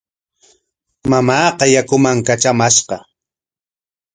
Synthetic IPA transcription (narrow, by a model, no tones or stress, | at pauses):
mamɑːqɑjakʊmaŋkat͡ʃamaʃqɑ